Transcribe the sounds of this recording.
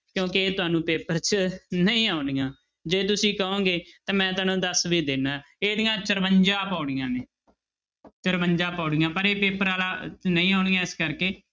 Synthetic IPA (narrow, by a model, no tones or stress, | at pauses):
kjõːkɪeːt̪ʊaːnũːpeːpəɾt͡ʃnəĩːaːʊɽijãː | d͡ʒeːt̪ʊsĩːkəõːɡeːt̪ãːmɛ̃ːt̪ʊaːnõːd̪əsʋiːd̪eːnaː | eːd̪ɪjãːt͡ʃəɾməɲd͡ʒaːpaːɽɪjãːneː | t͡ʃəɾməɲd͡ʒaːpaːɽɪjãːpəɾeːpeːpəɾaːlaːnəĩːaːʊɳɪjãːɪskəɾkeː